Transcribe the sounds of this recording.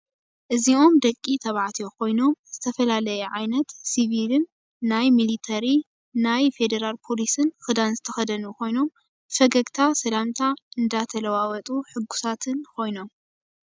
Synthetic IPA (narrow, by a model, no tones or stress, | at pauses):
ʔɨzio̞md̪ɐkʼːit̪ʰɐβaʕat̪ʰiokʰo̞jno̞mz̥ɨt̪ʰɐfɐlalɐjɛʕajnɐt̪siβilɨnː | ajmilit̪ʰɐɾi | najfe̞d̪ɐɾalpʰo̞lisɨnxɨd̪anzɨt̪ʰɐxɐd̪ɐnukʰo̞jno̞m | fɐɡɐɡt̪ʰasɐlamt̪ʰaɨnd̪at̪ʰɐlɐwawɐt̪ʼuħɨɡːu̥sat̪ʰɨnkʰo̞jno̞m